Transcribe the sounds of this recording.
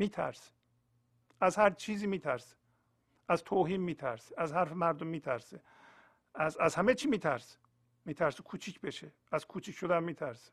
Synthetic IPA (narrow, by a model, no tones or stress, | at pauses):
miːt̪ʰæ̰ɾse̥ | æzhæɾt͡ʃʰiːziːmiːt̪ʰæɾse̥ | ʔæzt̪ʰoːɦiːnmiːt̪ʰæɾse̥æzhæɾfemæɾd̪omːiːt̪ʰæɾse | æzæzhæmet͡ʃʰiːmiːt̪ʰæɾse̥ | miːt̪ʰæɾsekʰuːt͡ʃʰiːcʰbeʃe | æzkʰuːt͡ʃʰiːkcʃod̪ænmiːt̪ʰæɾse̥